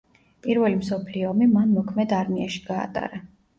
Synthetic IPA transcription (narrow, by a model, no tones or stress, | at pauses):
pʼiɾvɛlimsɔpʰliɔmimanmɔkʰmɛd̪aɾmiaʃi̥ɡ̥a̰ːt̪ʼa̰ɾa